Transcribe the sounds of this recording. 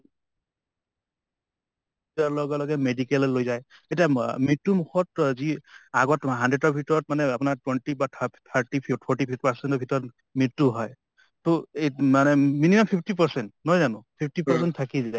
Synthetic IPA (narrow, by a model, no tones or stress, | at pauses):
taɹlɔɡɛlɔɡɛmedikɛlɔlojzajetiamitːumukʰɔtziaɡɔtɦandɹeɔbʱitɔɹɔt̚manɛapʊnaɹtwɛnʈibatʰaɹʈipʰipʰɔɹʈipʰit̚paɹsɛntɔbʱitɔɹɔt | mitːuɦɔj | tomanɛminimampʰipʰtipaɹsɛntnɔjzanʊ̃pʰipʰtipɔsɛnttʰːakizaj